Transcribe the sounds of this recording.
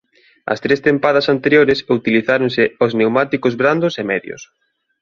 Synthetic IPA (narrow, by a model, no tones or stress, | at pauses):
ɐ̰st̪ɾest̪empaðɐsant̪eɾjoɾɪsut̪iliθaɾʊnsɪoznewmat̪ikʊzβɾand̪ʊsemɛðjʊ̰s